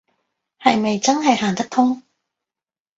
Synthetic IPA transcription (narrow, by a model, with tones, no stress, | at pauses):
hɐ˨jme˨jt͡sɐ˥nɦɐ˨jhaː˨˩ŋt̪ɐ˥k̚t̪ʰʊ˥ŋ